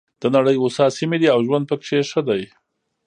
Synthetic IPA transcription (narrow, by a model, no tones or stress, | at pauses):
d̪̥ənaɽəjosɑsimed̪iawʒwand̪̚pəkʂeʂəd̪aj